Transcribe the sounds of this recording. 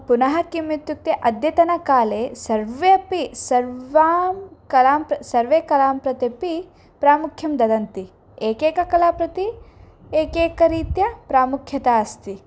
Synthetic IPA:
punɐɦɐkimːit̪juk̚t̪eʔɐd̪jɐt̪ɐnɐkaːleːsɐɾʋeːɐpisɐɾʋaːmkɐlaːmpɾɐsɐɾʋeːkɐlaːmpɾɐt̪ipi | pɾaːmukʰjɐmd̪ɐd̪ɐnt̪i | eːkeːkɐkɐlaːpɾɐt̪i | eːkeːkɐɾiːt̪jɐpɾaːmukʰjɐt̪aːɐst̪i

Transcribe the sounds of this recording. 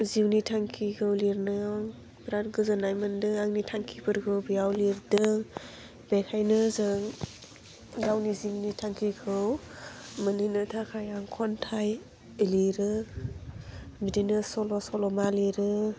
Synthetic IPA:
ziwnitʰaŋkʰikʰɯwliɾnɯaŋ | bɾat̚ɡɯzɯnajmɯndɯŋaŋnitʰaŋkʰipʰɯɾkʰɯwbijawliɾdɯŋ | bekʰajnɯzɯŋ | dawniziwnitʰaŋkʰikʰɯw | mɯninɯtʰakʰajaŋkʰɔntʰaj | eliɾɯ | bidinɯsɔlɔsɔlɔmaliɾɯ

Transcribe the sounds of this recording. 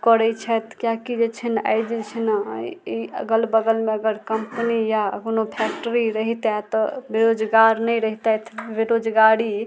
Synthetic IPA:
kɔɾɛt͡ʃʰɛt̪ʰkjakid͡ʒet͡ʃʰəna̰jd͡ʒɛt͡ʃʰinə̰iə̰ɡəlbəɡəlmeəɡəɾkəmpnijakonopʰɛk̚ʈəɾiɾəɦit̪at̪ɔbeɾod͡ʒɡaɾnɛɾəɦit̪ɛt̪ʰbeɾod͡ʒɡaɽi

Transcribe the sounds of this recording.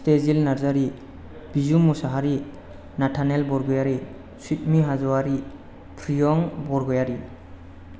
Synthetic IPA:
stezilnaɾzaɾi | b̥izumusaɦaɾi | natʰanelbɔɾɡɔjaɾi | sut̚miɦazɔwaɾi | pʰɾijɔŋbɔɾɡɔjaɾi

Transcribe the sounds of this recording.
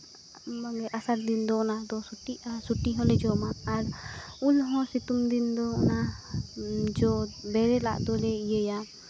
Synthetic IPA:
maŋɡɛʔasaɾd̪ind̪ɔɔnad̪ɔsuʈiasuʈiɦɔ̃lɛd͡ʒɔmaːɾulɦɔ̃sit̪umd̪ind̪ɔna | d͡ʒɔbɛɾɛla̰ʔd̪ɔlɛijəja

